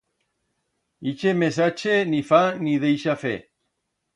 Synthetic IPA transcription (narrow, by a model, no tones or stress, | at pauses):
it͡ʃemes̬at͡ʃenifaniðejʃafe